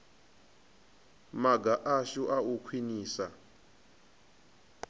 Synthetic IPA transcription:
maɡaʔaʃuʔaukʰwiniːsa̰

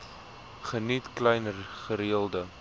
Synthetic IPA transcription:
χənitklɛjnχəɾiəlˠdə

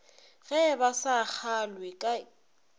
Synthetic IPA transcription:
ɣɛɛbasak͡xʰalwɪkʼai

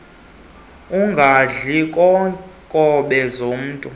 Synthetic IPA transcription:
uŋɡʱaɮikʼɔkʼɔɓɛzom̩ːtʼu

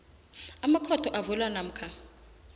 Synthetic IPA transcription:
amakʰɔtʰɔʔavɛlwanam̩kʰa

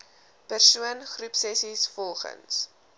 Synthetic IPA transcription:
pærsuənχrupsɛsisfɔlˠχə̰ns

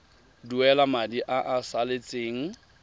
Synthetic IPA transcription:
duɛlamadiʔaʔasalet͡sʼeːŋ̩

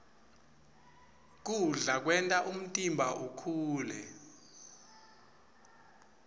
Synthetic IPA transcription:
k̬uɮak̬wɛntʼaʔum̩tʼimbʱaʔukʰuːlɛ

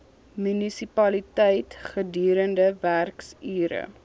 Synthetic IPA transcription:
mynisipɐlitɛjtχədyːɾəndəværksyːɾə̰

